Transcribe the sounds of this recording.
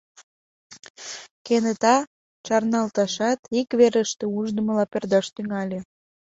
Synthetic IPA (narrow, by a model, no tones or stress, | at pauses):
kenət̪ɑ | t͡ʃɑrnɑlt̪ɑʃɑt̪ikβeɾəʃt̪ĕuʒd̪əməlɑperd̪ɑʃt̪yŋɑlʲe